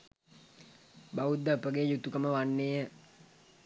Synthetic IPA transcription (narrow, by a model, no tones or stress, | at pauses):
baʋud̪ːəpəɡejut̪ukəməʋanːeːə